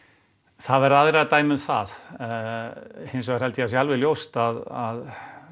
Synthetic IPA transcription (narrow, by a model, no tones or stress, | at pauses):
θaðvɛɾaðɾat̪aːjmʏmθa̰ð | hejns̬ɔɣaɾ̥hɛlt̪ɪasjalvɛljowst̪aðað